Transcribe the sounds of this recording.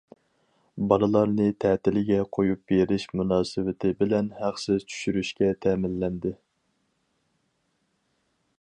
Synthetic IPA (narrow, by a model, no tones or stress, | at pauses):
bɑlˠɨlˠɑɾnɨt̪ʰɛːt̪ɪlɪɡʲɛqʰojup̚beɾɪʃmunɑːsɨwɪt̪ʰɪbɪlɛnhæχsɪzt͡ʃʰy̥ʃyɾyʃkʲɛt̪ʰɛːmɪlːɛnd̪ɪ